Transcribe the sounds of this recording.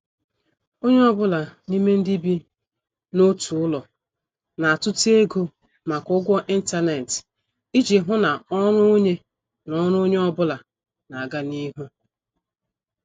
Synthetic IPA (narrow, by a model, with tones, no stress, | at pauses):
o˦ɲe˦ɔ˦bʊ˦la˨ni˦me˦n̩˦di˦bi˦ | no˦tʰu˨ʊ˦lɔ˨ | na˨a˨tʊ˦ti˦e˦ɡo˦ | ma˨kʊ˦ɡʷɔ˦ʔi˦n̩˦ta˦ne˨t | i˦d͡ʒi˨ɦʊ˦na˨ɔ˦ɾʊ˦o˦ɲe˦ | nɔ˦ɾʊ˦o˦ɲe˦ɔ˦bʊ˦la˨ | na˨a˨ɡa˦ni˦ɦu˦